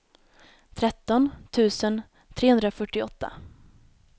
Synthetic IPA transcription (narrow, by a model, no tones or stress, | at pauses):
t̪ʰɾɛt̪ːɔnt̪ʰʉ̟ːsən | t̪ʰɾeːhɵnd̪ɾafœʈːɪɔt̪ːa̰